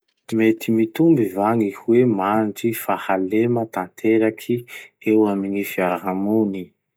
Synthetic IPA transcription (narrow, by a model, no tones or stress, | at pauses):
imet̪imit̪umbivaŋihwemand͡ʒifahalemət̪ant̪ʰeɾakʰiewaminifiaɾaɦamuni